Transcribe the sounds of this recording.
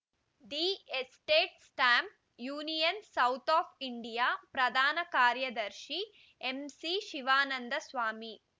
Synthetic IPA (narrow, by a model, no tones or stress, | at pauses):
ɖiːesʈeːʈsʈaːmp̚ | juːnijɐnsɐwt̪ʰaːpʰiɳɖijaːpɾɐd̪ʱaːnɐkaːɾjɐd̪ɐɾʃi | emsiʃiʋaːnɐnd̪ɐsʋaːmi